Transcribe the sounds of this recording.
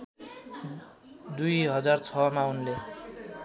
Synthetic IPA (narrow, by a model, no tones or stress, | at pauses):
d̪ujɦʌd͡zart͡sʰʌmaunle